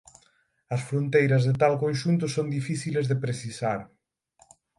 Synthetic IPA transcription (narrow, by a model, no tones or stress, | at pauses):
ɐsfɾont̪ejɾɐzðet̪alkõnʃunt̪ʊsoŋd̪ifiθilezðepɾeθisaɾ